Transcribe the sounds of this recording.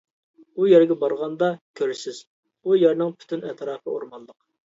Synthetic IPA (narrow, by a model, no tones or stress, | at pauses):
ujɛɾɡʲɛbɑɾʁɑnd̪ɑkʲʰøɾɪsɪz̥ | ujɛɾnɨŋpʰy̥t̪ʰynɛt̪ʰɾɑːpʰəo̰ɾmɑnlˠəq